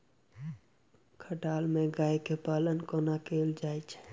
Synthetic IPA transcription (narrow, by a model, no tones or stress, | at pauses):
kʰəʈaːlmẽɡaːikepaːlənkoːnakeːld͡ʒaːit͡ʃʰɛ̥